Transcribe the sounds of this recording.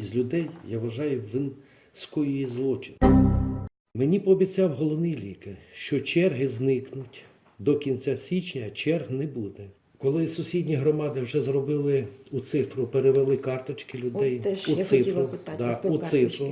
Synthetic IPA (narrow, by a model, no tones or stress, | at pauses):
izʲlʲʊd̪ɛjjaʋɐʒɑjʊʋɪn | skɔjijizlˠɔt͡ʃɪn | menʲipɔːbʲit͡sʲɑwɦɔlˠɔʋnɪjlʲikɪrʃt͡ʃɔt͡ʃɛrɦɪznɪknʊtʲ | d̪ɔkʲint͡sʲasʲit͡ʃnʲɐt͡ʃɛrɦnɛbud̪ɛ | kɔlˠɪsʊsʲidʲnʲiɦɾɔmɑd̪ɪwʒɛzɾɔbɪlˠɪut̪sɪfɾʊpeɾeʋelˠɪkɑrt̪ɔt͡ʃkɪlʲʊdɛjusɪfʊd̪ɑʊsɪfɾʊ